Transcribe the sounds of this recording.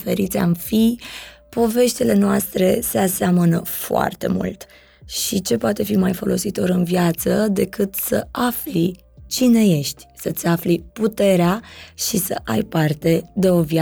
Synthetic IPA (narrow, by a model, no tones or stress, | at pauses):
fe̞ɾit̪sʲa̰mfipo̞ve̞ʃt̪ile̞noast̪ɾe̞se̞aseamənəfoa̰rt̪e̞̰mṵlt̪ | ʃit͡ʃe̞poat̪e̞fimajfo̞lʔo̞sit̪o̞ɾɨnvjat̪səd̪e̞kɨt̪sə̰afli | t͡ʃine̞je̞ʃt̪ʲsət̪sʲafliput̪e̞ɾeaʃisə̰ʔajpart̪e̞d̪e̞o̞vja